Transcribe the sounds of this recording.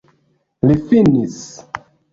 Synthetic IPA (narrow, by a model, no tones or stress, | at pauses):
lifinis